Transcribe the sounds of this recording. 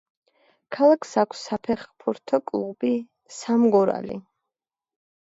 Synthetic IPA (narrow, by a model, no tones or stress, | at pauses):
kʰalˠakʰsakʰsːapʰɛχpʰuɾt̪ʰɔkʼlˠuʁbi | samɡɔɾa̰lḭ